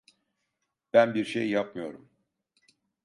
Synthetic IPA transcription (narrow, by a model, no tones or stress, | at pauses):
b̥ænbiɾʃejːap̚mɯjo̞ɾum